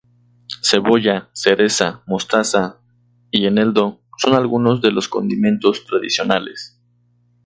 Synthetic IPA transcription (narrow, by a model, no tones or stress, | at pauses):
se̞βo̞ʝase̞ɾe̞samo̞st̪asa | ieneld̪o̞so̞nalɣuno̞zðe̞lo̞sko̞nd̪imẽ̞nt̪o̞st̪ɾaðisjo̞nalḛs